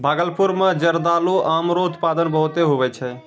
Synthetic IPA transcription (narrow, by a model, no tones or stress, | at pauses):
bʱaɡəlpuɾmed͡ʒəɾd̪aloʔamɾout̪pad̪ənbəɦut̪eɦoβɛt͡ʃʰɛ